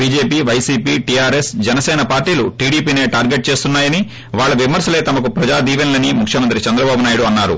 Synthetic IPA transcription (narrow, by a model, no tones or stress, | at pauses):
biːd͡ʒeːpiːʋɐjsiːpiːʈiaːɾesd͡ʒɛnɐsɛːnɐpaːɾʈiːluʈiːɽiːpiːne̞ːʈaːɾɡeʈ̚t͡ʃe̞ːst̪unːaːjɐni | ʋaːɭːɐʋimɐɾsɐle̞ːt̪ɐmɐkupɾɐd͡ʒaːd̪iːʋɐnlɐnimukʰjɐmɐnt̪ɾit͡ʃɐnd̪ɾɐbaːbunaːjuɽuɐnːaːɾṵ